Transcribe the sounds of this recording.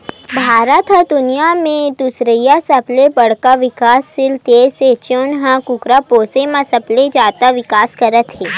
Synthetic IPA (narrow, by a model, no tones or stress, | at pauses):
bʱaːɾət̪ɦəd̪ʊnijamẽd̪ʊsɾəjasɐplebɐɽ̤kaʋɪkaːsːɪlt̪eːset͡ʃonɦãkʊkɾapoːsemãsɐpled͡ʒaːt̪aʋɪkaːskɐɾət̪ɦeː